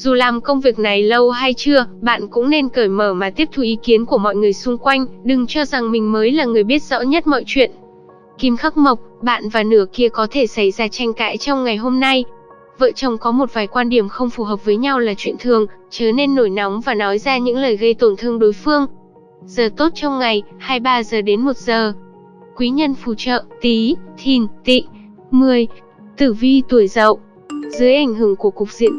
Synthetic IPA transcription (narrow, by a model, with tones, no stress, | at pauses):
zu˨˩laː˨˩mkə˧wŋ͡mvi˨˩ək̚na˨˩jlə˧wɦa˧jt͡ɕɨ˧əɓa̰ː˧˨nkʊ̰˧˥ŋ͡mne˧nkəː˧˩jməː˧˩maː˨˩t̪i˦˥əp̚t̪ʰu˨˩ʔi˨˦ki˨˦ənku˧˩əmɔ̰˧˨jŋɨ˨˩əjsʊ˧ŋ͡mkwa˧jŋ̟ɗɨ˨˩ŋt͡ɕɔ˧za˨˩ŋmï˨˩ŋ̟məː˨˦jlaː˨˩ŋɨ˨˩əjɓi˦˥ət̚z̥ɔ̰˧˥ɲə˦˥t̚mɔ̰˧˨jt͡ɕwḭ˧˨ən | ki˧mxa˦˥k̚mə˨˩wk͡p̚ɓa̰ː˧˨nvaː˨˩nɨ˧˩əki˧əkɔ˨˦t̪ʰe˧˩sa˧˩jzaː˧t͡ɕa˧jŋ̟ka̰ː˧˥jt͡ɕɔ˧wŋ͡mŋa˨˩jɦo˧mna˧j | və̰ː˧˨t͡ɕə˨˩wŋ͡mkɔ˨˦mo˨˩t̚vaː˨˩jkwaː˧nɗi˧˩əmxə˧wŋ͡mfu˨˩ɦəː˨˩p̚vəː˨˦jɲa˧wlaː˨˩t͡ɕwḭ˧˨ənt̪ʰɨ˨˩əŋt͡ɕəː˨˩ne˧nːo˧˩jna˨˦wŋ͡mvaː˨˩nɔ˨˦jzaː˧ɲɨ̰˧˥ŋləː˨˩jɣə˧jt̪o˧˩nt̪ʰɨ˧əŋɗo˨˦jfɨ˧əŋ | z̥əː˨˩t̪o˦˥t̚t͡ɕɔ˧wŋ͡mŋa˨˩jhaː˧jɓaː˧zəː˨˩ɗe˨˦nmo˨˩t̚z̥əː˨˩ | kwi˨˦ɲə˧nfu˧˩t͡ɕə̰ː˧˨t̪i˨˦t̪ʰi˨˩nt̪ḭ˧˨ | mɨ˨˩əj | t̪ɨ˧˩vi˧t̪u˧˩əjzə̰˧˨wʔ | zɨ˨˦əjʔa˧˩jŋ̟ɦɨ˧˩əŋku˧˩əkʊ˨˩k̚zḭ˧˨ən